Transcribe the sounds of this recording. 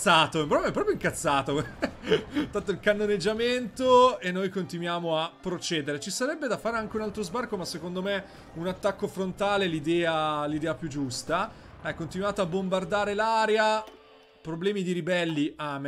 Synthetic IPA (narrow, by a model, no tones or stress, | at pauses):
aːt̪oɛpɾobɛmɛpːɾɔpjoiŋkat̪sːaːt̪o | t̪ant̪ːoilkanːoned͡ʒːament̪oenːojkont̪inwjaːmoapːɾot͡ʃɛːd̪eɾet͡ʃisaɾɛbːed̪afaːɾeaŋk̟eunalt̪ɾozbarkomasːekond̪ome | unat̪ːakːofɾont̪aːlelid̪ɛːalid̪ɛːapjud͡ʒːust̪aakont̪inuaːt̪aabːombard̪aːɾelaːɾja | pɾoblɛːmid̪iɾibɛlːiʔame